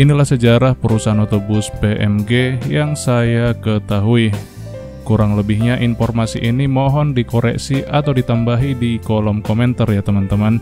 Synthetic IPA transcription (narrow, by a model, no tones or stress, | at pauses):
inilahsəd͡ʒaɾahpəɾusaɦanɔt̪obuspeʔɛ̰mɡejaŋsajakət̪aɦui | kuɾaŋləbihɲaʔinfɔrmasiʔinimɔɦɔndikoɾɛ̰ksiʔat̪awdit̪ambaɦidikɔlɔmkɔmɛnt̪ərjat̪əmant̪əman